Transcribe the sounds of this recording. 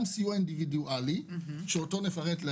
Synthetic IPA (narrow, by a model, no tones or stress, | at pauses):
msiuaindividuʔaliʃeoto̞ne̞faʁet̪le